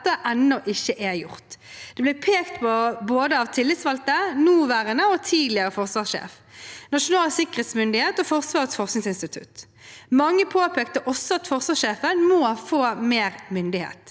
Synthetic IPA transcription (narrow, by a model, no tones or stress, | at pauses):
t̪ːəʔɛnːɔʔɪçːəʔæjʊ̰ʁt̪d̪̥ɛblɪpʰeːkt̪pʰɔboːd̪əɑʋt̪ʰɪlːɪt̪sʋɑlt̪ənuːʋæːʁənəɔt̪ʰiːd̪lɪəʁəfɔʁsʋɑːsʃḛːf | nɑʂʊnɑːlsɪkəʁeːt̪smʏnd̪ɪheːt̪ɔːfɔʁsʋɑːʁət̪sfɔʁsnɪŋsɪnst̪ɪt̪ʰʉ̰t̪ | mɑŋːəpʰoːpeːk̚t̪əʔɔsɔɑt̪fɔʁsʋɑːʂʃeːfənmoːfoːmeːʁmʏnd̪ɪhḛːt̪